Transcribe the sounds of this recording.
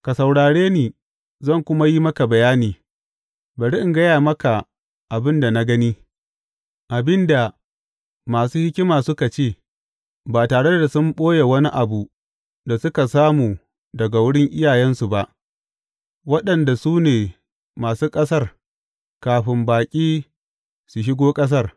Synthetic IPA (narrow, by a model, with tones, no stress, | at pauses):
ka˨sa˨wɽaː˨ɽeː˦niː˨ | zɐ˦˨ŋkʷʊ˦ma˦ji˦mɐ˦ka˨bɐ˨jaː˦niː˨ | bɐ˨ɽi˦ʔɪ˨ŋɡɐ˦jaː˨mɐ˦ka˨ | ʔa˨bɪ˦nda˨na˦ɡɐ˦niː˦ | ʔa˨bɪ˦nda˨ | maː˨suː˦hɪ˦kʲɪ˦maː˨sʊ˦ka˨t͡ʃeː˦˨ | baː˨taː˨ɽe˦da˨sʊ˦mɓʼoː˦je˨wɐ˦ni˦ʔa˨bu˨ | da˨sʊ˦ka˨saː˦muː˨ | dɐ˨ɡa˨wʊ˦ɽɪ˦ŋʔɪ˦jaː˨jɛ˦nsu˨ba˦ʔ | wɐ˦ɗɐ˨nda˨suː˦neː˨ | maː˨suː˦kʼɐ˦sɐ˦r | kaː˨ɸɪ˨mbaː˨kʲʼiː˦ | su˨ʃ̬ɪ˦ɡoː˦kʼɐ˦s̬ɐ˦˨r